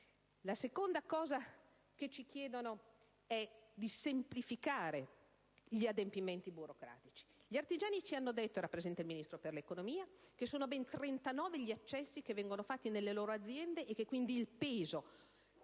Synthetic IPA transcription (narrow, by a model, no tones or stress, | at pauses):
lasekond̪akɔːza | ket͡ʃik̟jɛːd̪ono | ɛd̪isemplifikaːɾe | ʎiad̪empiment̪ibuɾokɾa̰ːt̪it͡ʃi̥ʎiart̪id͡ʒaːnit͡ʃianːod̪et̪ːoeɾapːɾezɛnt̪eilminist̪ɾoperlekonomiːakesoːnobɛnt̪ɾent̪anɔːveʎiat͡ʃːɛsːikevːɛŋɡonofat̪ːinelːeloːɾoad̪zːjɛnd̪eʔekːekːwind̪iːlpeːzo